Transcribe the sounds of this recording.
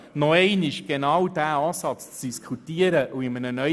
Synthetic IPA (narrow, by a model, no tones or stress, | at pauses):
nɔɛɪnɪʃɡ̥enɑwd̥æːɑːsɑt͡st͡sd̥iskʰutiːəɾəʔuɪmənənœ